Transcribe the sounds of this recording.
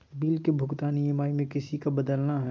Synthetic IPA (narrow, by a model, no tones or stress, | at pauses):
biːlkebʱʊɡt̪aːniɪmaːimẽkɪsikabɐd̪əlnaɦɛ